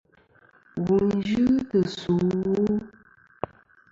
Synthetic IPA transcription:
ɣu˨nn˦d͡ʒɨ˦tə˨su˨˦wu˦

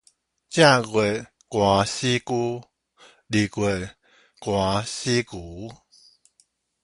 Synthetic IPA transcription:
t͡ɕja˥˦˨ɣwe˨˩ | kwa˨˩˦ɕi˦ku˦ | li˨ɡwe˨ | kwa˨˦ɕi˦ku˨˦

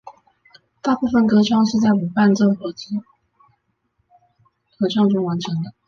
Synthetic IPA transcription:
t̪a˥˧pu˥˩fə˨˩nkɤ˧˥ʈ͡ʂʰwɑ˥˧ŋʂɻ̩˥˧t͡sa˥˩ɪu˨˩pa˥˧nʈ͡ʂo˥˩xɤ˧˥t͡s̩˥ | kɤ˧˥ʈ͡ʂʰwɑ˥˧ŋʈ͡ʂʊ˥ŋwa˧˥nʈ͡ʂʰɤ˧˥ŋd̪ə˧

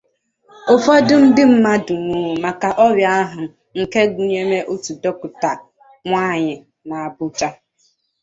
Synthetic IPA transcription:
ʊ˨fɔ˦dʊ˦m̩˦dɪ˦m̩˦ma˦dʊ˨ŋʷu˨˦˨ma˨ka˨ʔɔ˦bja˦a˦ɦʊ˨ | ŋ̩˨ke˦ɡu˨ɲe˦me˦ʔo˦tu˨do˦kʊ˨ta˨ | ŋʷa˦˨ɲɪ˨ | na˨a˨bʊ˦t͡ʃa˦

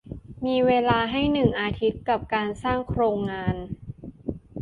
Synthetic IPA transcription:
miː˧weː˧laː˧ɦa˥˩jnɯ˨˩ŋʔaː˧t̪ʰi˦˥t̪̚ka˨˩p̚kaː˧nsaː˥˩ŋkʰɾoː˧ŋːaː˧n

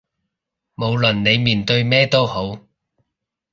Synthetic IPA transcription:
mo˨˧wlɵ˨˩nne˨˧jmiː˨˩nt̪ɵ˧ɥmɛː˥t̪o˥who˨˥w

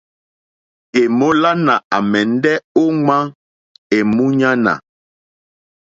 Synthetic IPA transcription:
e˨mo˦la˦na˨a˨mɛ˨n˦dɛ˦o˦ŋã˦ | e˨mũ˦ɲa˦na̰˨

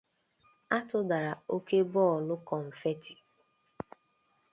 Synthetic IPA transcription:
a˦tʊ˦da˨ɾa˨o˦ke˦bɔ˦˨lʊ˦kɔ˨ɱ̩˨fe˦ti̥˨

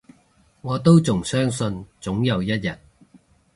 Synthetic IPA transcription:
ŋɔː˨˧t̪o˥wt͡sʊ˨˩ŋsœː˥ŋsɵ˧nt͡sʊ˨˥ŋjɐ˨˧wjɐ˥t̚jɐ˨˩t̚

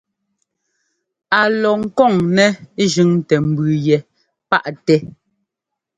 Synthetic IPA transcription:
a˨lɔ˨ŋ̩˦kɔ˦˨ŋnɛ˨˦ʒʉ˨˦ŋ˦tɛ˨m̩˨bʉ˨jɛ˨ | pa˦ʔtɛ˦

